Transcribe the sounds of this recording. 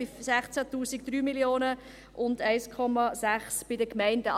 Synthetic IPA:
isæχt͡sætuːsikd̥̪ɾyːmiljoːnə | ʔʊndæɪskʰɔmɑsæχsb̥ɪdəkmæɪndə

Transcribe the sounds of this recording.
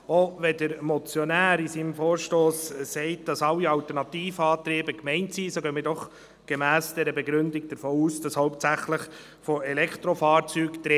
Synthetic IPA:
oʋɛdəɾmɔt͡sjɔnæːɾisiːnmfɔːɾʃtoːsːɛɪt̚d̥ɑsɑlːiɑwtəɾnɑtiːfɑːtɾeːbəkmɛɪntsiːsoɡ̥øːmidɔχ | ɡ̥emæːsd̥ɛɾəbeɡɾʉndɪɡ̚d̥əɾfoːuːsd̥ɑshɔʊp̚tt͡sæχləχ | fɔɛlɛkʰt̪ɾofɑːɾt͡syːkt̪ɾe

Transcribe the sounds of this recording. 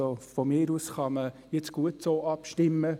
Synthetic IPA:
ofɔmɪːɾusχɑməjɪt͡sɡ̥uətsoːʔɑpʃtɪmːə

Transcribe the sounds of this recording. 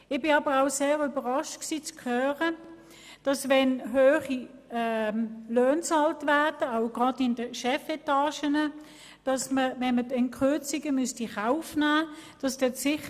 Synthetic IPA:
ɪχb̥ɪnɑbəʁaʊseːʁybəʁɑʃtksiːt͡skʰœːʁə | d̥ɑsvɛnɦøːχiɛløːnt͡sɑltvæɐd̥əaʊɡ̥ʁɑdɪndəʃɛfɛtɑːʃənə | d̥ɑsməvɛnmədɛntkʁʏɐt͡siɡəmystiχaʊfnæːd̥ɑsd̥ɛsɪχ

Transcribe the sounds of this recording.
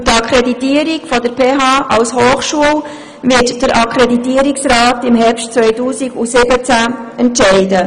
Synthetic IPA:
tɑkʰɾɛditiəɾiɡfɔdəɾpʰeːɦɑːʔɑlshoːχʃuəl | vɪtd̥əɾʔɑkʰɾeditiəɾiksrɑːtɪmɦɛɾpʃtt͡sʋœʏtuːsiɡusɪbət͡sæɛntʃɛɪdə

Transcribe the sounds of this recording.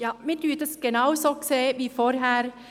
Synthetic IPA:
jɑːmɪt̪ʉːt̪əsɡ̥ənɑʊsɔkseʋɪfoːɾɦæːɾ

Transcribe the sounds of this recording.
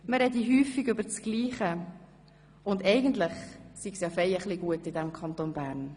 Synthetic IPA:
məɾɛdiɦyːfiɡʏbəɾt͡sɡ̥liːχə | ʊndɛɪɡəntlɪχsiɡsjɑfɛjəχliɡuətɪdɛmkʰɑntonbæːɾn

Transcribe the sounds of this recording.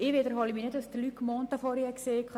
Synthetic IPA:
ɪʋɪd̪əɾhɔliminetɑsd̪əlykːmɔːnt̪əfɔɾiɛkseːk

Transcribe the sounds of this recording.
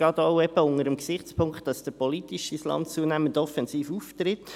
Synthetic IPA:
ɡ̥ɑːt̪oʊɛbəʊŋəɾəmksɪχt͡spʰʊŋkχtɑsd̥əɾpɔlitiʃislɑ̰ntt͡suənæːməntɔfɛnsiːfuːft̪ɾɪt

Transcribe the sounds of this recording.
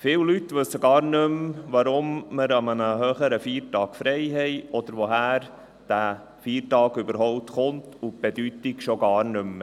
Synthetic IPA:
fɪːwlytʋɵsːəɡɑːɾnɵmʋɑɾʊmːəɾɑmənəɦœːχəɾəfiːɾtɑːkfɾɛɪɦɛɪɔd̪̥əɾʋɔɦæːɾ | d̥æ | fiːɾtɑːɡʏbəɾɦɔʊp̚t̪χʊntʊb̥edytɪkʃoɡɑːɾnɵm

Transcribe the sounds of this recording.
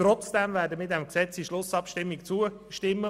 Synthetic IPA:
ɾɔt͡sd̥ɛmvɛːɾdəmiːdɛmksɛt͡siʃlʊsɑpʃtɪmːikt͡suə | ʃtɪmːə

